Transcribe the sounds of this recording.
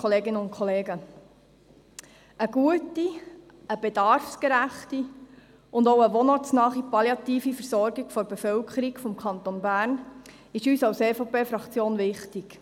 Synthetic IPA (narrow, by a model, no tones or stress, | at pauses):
ɔleːɡɪnəʊnt̚kʰχɔleːɡə | əɡuəti | əbed̥ɑɾfskeɾæχti | ʊndoʊəʋonɑsnɑːχipɑljɑt̪iːfifəɾsɔrɡiɡ̥fɔɾbefœwkʰəɾiɡfɔmkʰɑntonbæːɾn | ɪʃyːsɑwseːfopeːfɾɑkt͡sjoːnʋɪχtɪɡ̥